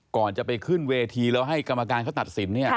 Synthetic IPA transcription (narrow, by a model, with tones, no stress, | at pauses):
kɔː˨˩nt͡ɕa˨˩pa˧jkʰɯ˥˩nweː˧t̪ʰiː˧lɛː˦˥wɦa˥˩jka˧mːa˧kaː˧nkʰːt̪a˨˩t̪̚si˩˦nːi˥˩ɐ